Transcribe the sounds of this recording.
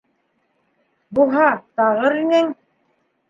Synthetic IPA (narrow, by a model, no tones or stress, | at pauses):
buɦɑt̪ɑʁɤɾinɘŋ